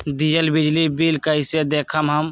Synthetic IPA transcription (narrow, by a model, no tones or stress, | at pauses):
d̪ijəlbɪd͡ʒlibilkəised̪eːkʰəmɦəm